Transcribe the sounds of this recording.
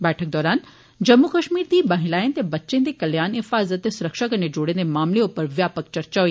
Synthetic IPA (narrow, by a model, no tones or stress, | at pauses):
bɛːʈʰək̚d̪ɔːɾaːn | d͡ʒɐmːukɐʃmiːɾd̪iːbɐɦɪ̃laːj̃nt̪ebɐtːʃẽnd̪ekɐljaːnɪfaːzət̪ːesʊɾəkʃakɐned͡ʒoːɽẽnd̪emaːmleopəɾʋjaːpək̚t͡ʃɐɾt͡ʃaʋː